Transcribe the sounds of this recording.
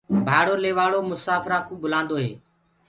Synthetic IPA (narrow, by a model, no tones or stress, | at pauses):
bʱaːɽoːleːʋaːɭoːmʊsaːfɾãːkũːbʊlãːnd̪oːɦḛː